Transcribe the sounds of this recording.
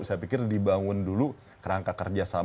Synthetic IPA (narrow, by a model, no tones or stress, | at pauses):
sajapikɪrdibaŋʊndulu | kəɾaŋkakərd͡ʒasa